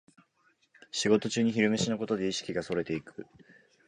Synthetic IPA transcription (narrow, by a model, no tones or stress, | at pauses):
ɕiɡo̞t̪o̞t͡ɕɨːɲ̟içiɾɯ̟me̞ɕinoko̞t̪o̞d̪e̞iɕi̥kʲiɡaso̞ɾe̞t̪e̞ikɯ̟